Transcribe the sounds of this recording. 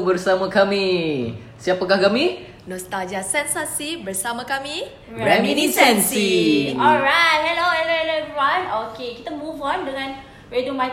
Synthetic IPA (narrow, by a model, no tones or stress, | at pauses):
bərsamakami | siapakahkami | nɔ̃st̪ad͡ʒasɛnsasibərsamãkamĩ | ɹɹɛminisɛnsiɔɹajt̚hɛloɛloɛlɛviwanokekit̪amuvɔ̃ndəŋãn | ɹedumaj